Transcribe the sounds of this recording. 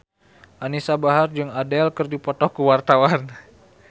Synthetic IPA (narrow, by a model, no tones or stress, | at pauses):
ʔanisabaɦard͡ʒɨŋadɛlkɨrdipɔt̪ɔkuwart̪awan